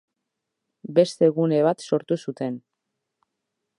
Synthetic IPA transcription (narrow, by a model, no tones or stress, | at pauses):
be̞st̪e̞ɣune̞β̞at̪so̞ɾt̪usut̪e̞n